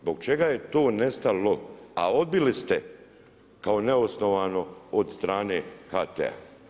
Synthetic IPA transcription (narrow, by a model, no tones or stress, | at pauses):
zboɡ̚t͡ʃe̞ɡaːje̞t̪o̞ːne̞st̪alo̞a̰o̞d̪̚bilist̪e | kao̞neosno̞ʋaːno̞od̪st̪ɾaːne̞ːxaːt̪ḛa̰